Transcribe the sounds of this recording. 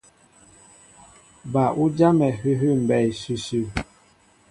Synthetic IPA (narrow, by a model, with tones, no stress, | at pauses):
ba˨u˦d͡ʒa˦mɛ˨ɦʉ˦ɦʉ˦˨m̩˨bɛ˨i˨sʉ˦sʉ˦˨